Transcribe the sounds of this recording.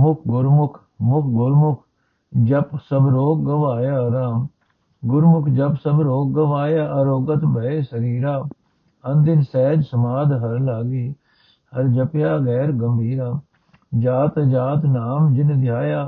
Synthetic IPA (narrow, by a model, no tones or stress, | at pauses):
mʊkʰɡʊɾmʊkʰ | mʊkʰɡʊɾmʊkʰ | d͡ʒəpsəbɾoːk̚ɡəʋaːjaːɾaːm | ɡʊɾmʊkʰd͡ʒɐpsəbɾoːk̚ɡəʋaːjaːʔɐɾoːɡət̪bəeːsəɾiːɾaː | ənd̪ɪnsɛːd͡ʒsəmaːd̪ɦɐɾlaːɡiː | hɐɾd͡ʒəpjaːɡɛːɾɡəmbʱiːɾaː | d͡ʒaːt̪d͡ʒaːt̪naːmd͡ʒɪnd̪jaːjaː